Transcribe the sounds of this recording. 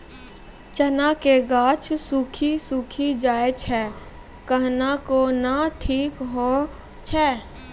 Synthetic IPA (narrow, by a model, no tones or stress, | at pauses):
t͡ʃənakeɡaːt͡ʃsuːkʰisuːkʰid͡ʒaːet͡ʃʰɛː | kəɦnakonaʈʰiːkɦo | t͡ʃʰɛː